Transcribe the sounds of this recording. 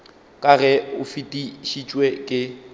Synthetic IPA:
kʼaɣɛʊfitʼiʃit͡ʃʼwɛkʼɪ

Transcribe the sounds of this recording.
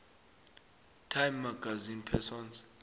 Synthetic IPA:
tʰajmːaɡazinpʰɛsɔnz

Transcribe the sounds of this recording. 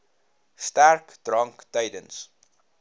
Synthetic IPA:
stærkd̥rɐŋktəjdəns

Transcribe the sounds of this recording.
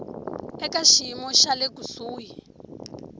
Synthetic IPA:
ɛkaʃimɔʃalekusuːji

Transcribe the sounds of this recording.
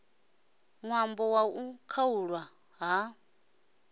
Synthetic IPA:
ŋwambɔwaukʰauɺwa | ɦa

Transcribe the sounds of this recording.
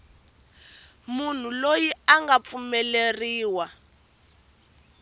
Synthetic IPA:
mun̤ulojiaŋɡap̪fumɛleriːwa

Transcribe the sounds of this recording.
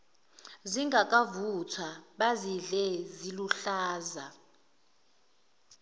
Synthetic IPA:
ziŋɡakʼavut͡sʰwaɓaziɮɛziluɬaːza

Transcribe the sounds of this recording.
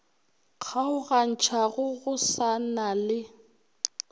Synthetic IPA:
k͡xʰaʊɣan̩t͡ʃʰaɣʊɣʊsanalɪ

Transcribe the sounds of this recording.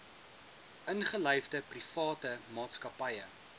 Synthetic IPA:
ʔənχələjvdəprifɑːtəmɑːtskɐpɐjə

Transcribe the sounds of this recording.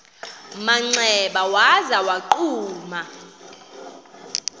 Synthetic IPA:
maŋ͡ǀɛɓawazawaǃuːma

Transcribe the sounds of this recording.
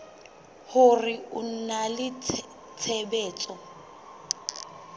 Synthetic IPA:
hʊrɪʊn̩nalɪ | t͡sʰebɛːt͡sʼɔ

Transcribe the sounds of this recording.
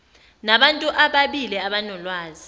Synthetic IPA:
naɓantʼuʔaɓaɓilɛaɓanɔlwaːzi

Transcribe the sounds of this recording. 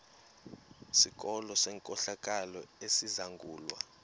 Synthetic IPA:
sik̬ʼɔlɔsɛːŋkʼɔɬak̬ʼalɔesizaŋɡʱuːlwa̰

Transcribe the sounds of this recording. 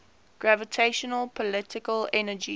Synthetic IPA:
ɡ̥ɹævətʰeɪʃənəlˠpʰɔlɪtɪkəlɛnəd͡ʒi

